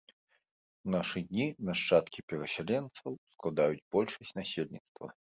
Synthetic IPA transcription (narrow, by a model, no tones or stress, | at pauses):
naʂɨd̪ʲnʲinɐʂt͡ʂat̪kʲipʲɛɾɐsʲalʲɛnt̪sɐwsklˠad̪ajud͡zʲbɔlʲʂɐsʲt͡sʲnasʲelʲnʲit̪st̪vɐ̰